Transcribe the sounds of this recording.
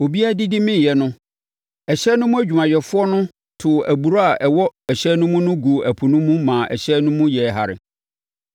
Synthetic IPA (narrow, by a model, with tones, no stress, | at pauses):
o˨bi˦a˦dɪ˦dɪ˦mɪ̃˦˨jɛ˨nʊ̃˦ | ɛ˨ɕɛ˦nʊ̃˦mũ˦æ˦d͡ʑᶣu˨mã˨jɛ˨fʊ˦ɔ˦nʊ̃˦ | tʰʊ˨ʔæ˨bu˨ɾo˦a˨ʔɛ˨wɔ˦ɛ˨ɕɛ˦nʊ̃˦mʊ̃˦nʊ̃˦ɡu˨ʔæ˨pʰu˨nʊ̃˦mũ˦mãː˨ʔɛ̰˨ɕɛ˦nʊ̃˦mũ˦jɛ˨ɦa̰˨ɾɪ̰˨